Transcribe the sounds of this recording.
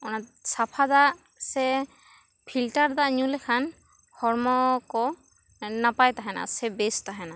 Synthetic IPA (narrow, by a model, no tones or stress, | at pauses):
ɔnat̪̚sapʰad̪aʔ | sɛ | pʰilʈaɾd̪aʔɲũlɛkʰan | hɔɾmɔkɔ | napajt̪aɦɛna̰sɛbɛst̪aɦɛna